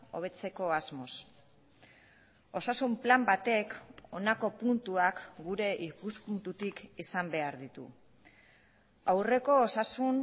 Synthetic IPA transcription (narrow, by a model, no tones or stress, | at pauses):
o̞̰β̞e̞t͡se̞ko̞azmo̞s | o̞sasumplambat̪e̞ko̞nako̞punt̪uakɡuɾe̞ʔikuspunt̪ut̪ikisambe̞aɾðit̪ṵ | awre̞ko̞ːsasun